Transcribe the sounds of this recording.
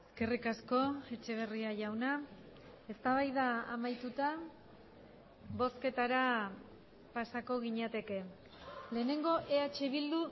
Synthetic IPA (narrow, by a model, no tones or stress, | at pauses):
eeske̞rikasko̞e̞t͡ʃe̞β̞e̞riaʝawna | e̞st̪aβajðaːmajt̪ut̪a | βo̞ske̞t̪aɾa | pasako̞ɣ̞iɲeat̪e̞ke̞ | le̞ːne̞ŋɡo̞ʔeat͡ʃeβild̪u